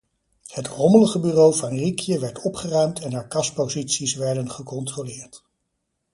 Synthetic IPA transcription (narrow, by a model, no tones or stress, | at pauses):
hətrɔmələχəbyrowvɑnrikʰjəʋɛɹtɔpχərœɥmtʰɛnaːɹkɑspozitsisʋɛɹdənχəkɔntrolɪːɹt